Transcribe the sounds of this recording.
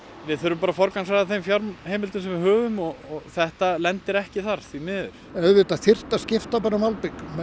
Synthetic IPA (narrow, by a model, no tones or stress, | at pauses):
vɪðθœɾʏmpaːɾafɔɾkans̬aðaθejmfjaɾmhejmɪlt̪ʏnsɛmvɪɦœːvʏmɔɔɣθɛht̪alɛnt̪ɪɾɛhcɪθaɾ̥θvimɪːðʏɾ̥ɛvɪt̪aθɪr̥t̪ascɪft̪apaɾamalpɪk